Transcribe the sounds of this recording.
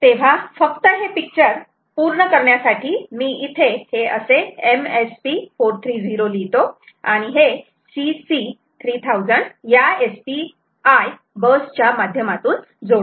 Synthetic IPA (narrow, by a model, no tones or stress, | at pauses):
t̪eʋ̤afəkt̪əɦepik̚t͡ɕəɾ | puɾɳəkəɾɳjasaʈʰiːmiːʔit̪ʰeheəseemespifoɾt̪ʰɾiːd͡ziɾolit̪o | aɽ̃iɦe | sisi | t̪ʰɾiːt̪ʰawd͡zəɳɖjaespi | aj | bəst͡ɕjamad̪ʱjəmat̪uːn | d͡zoɽ